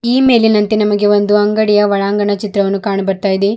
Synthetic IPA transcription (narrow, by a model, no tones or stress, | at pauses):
iːme̞ːlinɐnt̪inɐmɐɡe̞ʋo̞nd̪uɐŋɡɐɽijɐʋɐɭaːŋɡɐɳɐt͡ʃit̪ɾɐʋɐnːukaːɳɐbɐɾt̪aːjid̪e